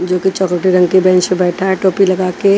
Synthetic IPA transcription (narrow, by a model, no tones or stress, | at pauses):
d͡ʒoːkit͡ʃɔkɾəʈiɾɐ̃ŋɡkibɛ̃ːɲt͡ʃmẽbɛːʈʰaɦʈoːpilɐɡaːke